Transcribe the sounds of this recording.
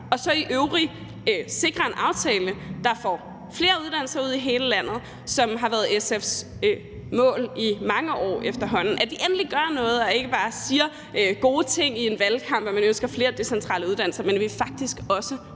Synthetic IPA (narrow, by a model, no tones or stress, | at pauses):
ɒ̽sɒ̽iʔøʊʁi | se̝ɡ̥ʁɐe̝nʔɑ̈ʊt͡sʰɛːləd̥ɑ̈fɒ̰ː | fle̝ːɐuð̞ˠd̥ænl̩sɐuð̰ˠiɦe̝ːləlæn̰ð̞̩ˠ | sɒ̽mɦɑ̈ʋæɐð̞̩ˠesefs | mɔ̰̽ːlimɑ̈ŋəʔɒ̰ːefd̥ɐɦɒ̽n̰n̩ʔæd̥iʔenliɡ̥ɶɐnɔ̽ːð̞̩ˠɒ̽e̝ɡ̥əb̥ɑ̈ːsiːɐ | ɡ̥o̝ːt͡sʰe̝ŋ̰ie̝nʋælkʰɑ̈m̰b̥ɒmænønsɡ̥ɐfle̝ːɐd̥e̝sent͡sʰʁɑ̰ːləuðˠdæn̰l̩sɐmenæʋifɑ̈ɡ̥̚d̥isɡ̥ɒ̽sə